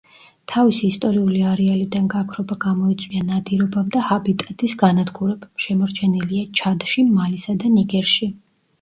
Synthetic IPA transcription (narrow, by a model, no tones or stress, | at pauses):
t̪ʰavisiːst̪ʼɔɾiuliaɾɛalid̪anɡakʰɾɔbaɡamɔit̪sʼwianad̪iɾɔbamd̪ahabit̪ʼat̪ʼisɡanad̪ɡuɾɛbʃɛmɔɾt͡ʃʰɛniliat͡ʃʰad̪ʃimalisad̪aniɡɛɾʃi